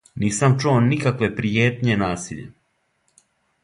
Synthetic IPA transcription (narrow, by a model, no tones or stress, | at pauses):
niːsamt͡ʃuonikakʋe̞pɾijet̪ɲenaːsiʎḛ